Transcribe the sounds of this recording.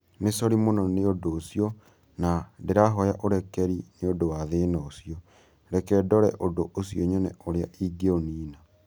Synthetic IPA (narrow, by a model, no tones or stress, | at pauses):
nesɔɾimonɔneodoːsjɔ | nadeɾaɦɔjaʔoɾɛkɛɾineodowaðenɔosjɔ | ɾɛkɛdɔɾɛʔodoʔos̬jɔɲɛnɛoɾeaʔiɡeoniːna